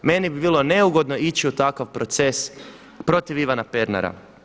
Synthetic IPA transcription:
me̞nibibiːlˠone̞uɡo̞d̪no̞it͡ɕiut̪akaʋpɾo̞t̪se̞s | pɾo̞t̪iʋiʋanape̞ɾna̰ɾa̰

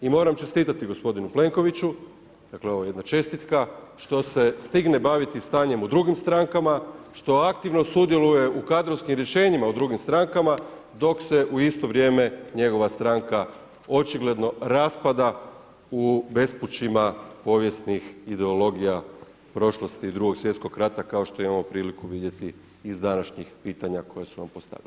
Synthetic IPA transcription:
imo̞ːɾamt͡ʃe̞st̪iːt̪at̪iɡo̞spo̞d̪inuple̞ŋko̞ʋit͡ɕu | d̪̥akleo̞ʋoje̞d̪nat͡ʃe̞st̪it̪kaʃt̪o̞se̞st̪iɡne̞baʋit̪ist̪aːɲe̞mud̪ɾuɡimst̪ɾaŋkamaʃt̪o̞ak̚t̪iʋno̞sud̪je̞luje̞ʔukad̪ɾo̞ʋskimɾje̞ʃe̞ːɲimaud̪ɾuɡimst̪ɾaŋkama | d̪o̞kse̞ʔuist̪o̞ʋɾʲje̞ːme̞ɲe̞ɡo̞ʋast̪ɾaŋka | o̞t͡ʃiɡle̞d̪no̞ɾaspad̪a | ube̞sput͡ʃimapo̞ʋje̞st̪nixid̪eo̞lo̞ɡija | pɾo̞ʃlˠost̪iːd̪ɾuɡo̞ɡsjet̪sko̞ɡɾat̪akaoʃt̪o̞imamo̞pɾiːlikuʋid̪je̞t̪iː | zd̪anaʃɲixpiːt̪aɲako̞jesuna̰mpo̞st̪a̰ʋjḭl

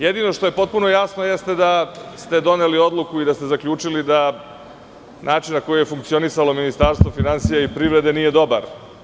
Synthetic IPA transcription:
jed̪ino̞ʂt̪o̞je̞po̞t̪̚puno̞jasnojest̪e̞d̪ast̪e̞d̪o̞nelio̞d̪lˠukuid̪ast̪ezakʎʲuːt͡ʂilid̪a | nʔaːt͡ʃinnako̞jije̞fuŋk̚tsio̞nisalo̞minist̪aɾst̪ʋo̞finansijaipɾiʋɾe̞d̪e̞nije̞d̪o̞baɾ

